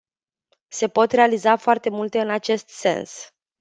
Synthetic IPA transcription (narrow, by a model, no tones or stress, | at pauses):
se̞po̞t̪re̞alizafoart̪e̞mult̪e̞ɨnat͡ʃe̞st̪se̞̰ns